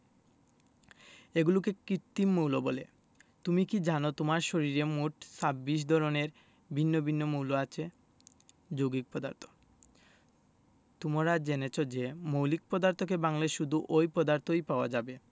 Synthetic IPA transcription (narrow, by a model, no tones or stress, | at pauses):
eɡulok̬ekɾit̪ːimːowlobɔle | t̪umikid͡ʑanot̪omaɾʃoɾiɾemuʈsabːiʃ̬d̪ʱɔɾoneɾ | bʱinːobʱinːomuwloat͡ɕʰe | d͡ʑoɡik̚pɔd̪a̰ɾt̪ʰo̥ | t̪umaɾad͡ʑenet͡ɕʰod͡ʑemowlik̚pɔd̪aɾt̪ok̬ebaŋleʃud̪ʱuʔojpɔd̪aɾt̪ojpaoad͡ʑabe